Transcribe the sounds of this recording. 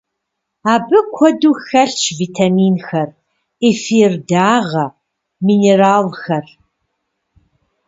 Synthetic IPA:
aːbɨkʷʰɔduːxɐɬt͡ʃʰviːtʰamiːnxɐr | ifiːrdaːʁɐ | miːneːraːlxɐr

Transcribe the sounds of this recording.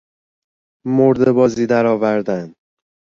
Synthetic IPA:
moɾd̪ebɒːziːd̪æɾɒːvæɾd̪æn

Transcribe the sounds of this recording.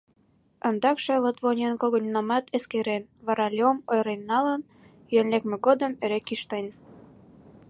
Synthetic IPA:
ənd̪ɑkʃĕlət̪βonʲenkoɣŏnʲnɑmɑt̪ʰeskeɾenβɑɾɑlʲomojɾenːɑlən | jønlekmĕɡod̪ə̆meɾekːiʃt̪enʲ

